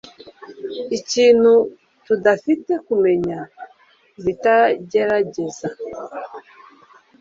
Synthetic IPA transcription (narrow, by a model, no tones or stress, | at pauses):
it͡ʃinu | tudafitɛkumɛɲa | vitaɟɛɾaɟɛza